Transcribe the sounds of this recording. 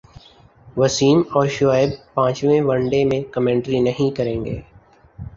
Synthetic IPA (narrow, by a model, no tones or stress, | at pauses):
ʋɐsiːmɔːɾʃʊaːɪb̚pãːt͡ʃʋẽʋɐ̃ɳɖemẽkɐmẽːɳʈɾinɐɦĩkɐɾẽːŋɡḛː